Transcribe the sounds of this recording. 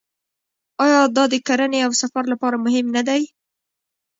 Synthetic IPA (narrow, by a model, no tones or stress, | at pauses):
ɑjɑd̪ɑd̪əkaɾaneawsafaɾlapɑɾamʊɦɪmnad̪aj